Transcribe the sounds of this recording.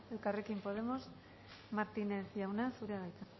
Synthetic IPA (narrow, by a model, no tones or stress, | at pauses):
elkarekimpo̞ð̞emo̞s | maɾt̪ineθʝawnasuɾeaɣajt͡s̪a